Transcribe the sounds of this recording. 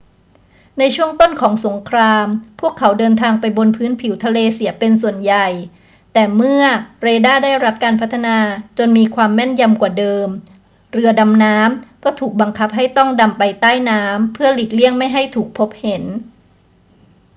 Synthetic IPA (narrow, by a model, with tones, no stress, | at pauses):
na˧jt͡ɕʰu˥˩əŋt̪o˥˩nkʰɔː˩˦ŋso˩˦ŋkʰɾaː˧mpʰu˥˩əkʰːa˩˦wdɤː˧nt̪ʰaː˧ŋpa˧jbo˧npʰɯː˦˥npʰi˩˦wt̪ʰa˧leː˧si˨˩˦pe˧nsu˨˩ənja˨˩j | t̪ɛː˨˩mɯ˥˩ɐɾeː˧daː˥˩daː˥˩jɾa˦˥p̚kaː˧npʰa˦˥t̪ʰːa˧naː˧t͡ɕo˧nmiː˧kʰwaː˧mːɛ˥˩nja˧mkwaː˨˩dɤː˧m | ɾɯ˧ɐda˧mnaː˦˥mkɔː˥˩t̪ʰuː˨˩k̚ba˧ŋkʰa˦˥p̚ɦa˥˩jt̪ɔ˥˩ŋda˧mpa˧jt̪aː˥˩jnaː˦˥mpʰɯ˥˩ɐli˨˩k̪̚li˥˩əŋma˥˩jɦa˥˩jt̪ʰuː˨˩k̚pʰo˦˥p̚he˩˦n